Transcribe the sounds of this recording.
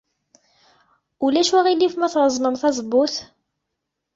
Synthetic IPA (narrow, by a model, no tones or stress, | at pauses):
ulæʃwæʁilːifmæθɾˤəzˤnəmθɑzˤbːʊθ